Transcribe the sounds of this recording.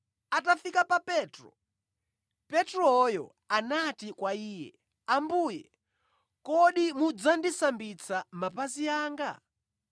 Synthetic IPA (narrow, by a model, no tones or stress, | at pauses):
atafikapapɛːtɾɔ̰ | pɛtɾɔjɔ̰ | anatikwaiːjɛ̰ | ambuːjɛ | kɔɗimud͡zandisambit͡sʰamapaziaːŋɡa̰